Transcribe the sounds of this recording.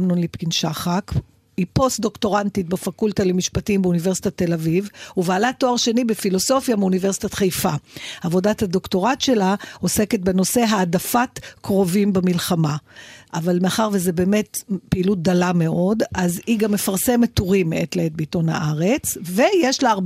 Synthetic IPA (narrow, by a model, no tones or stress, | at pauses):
mnunlipkinʃaχak | ipo̞std̪o̞kto̞ʁantit̚befakultalemiʃpatimbeunive̞ʁsi̥tate̞lavivuvaːlato̞aʁʃe̞nibefilo̞so̞fjameunive̞ʁsi̥tatχejfaavo̞dathado̞kto̞ʁatʃe̞lao̞se̞ket̚beno̞se̞ɦaːdafatkʁo̞vimbemilχamaʔavalmeaχaʁvezebe̞ːme̞tpeilut̚d̪alame̞ʔo̞daziɡamːe̞faʁsemet̪ːoʁimeʔetleet̚beito̞nha̰ʔaʁet͡sve̞jeʃlaaʁ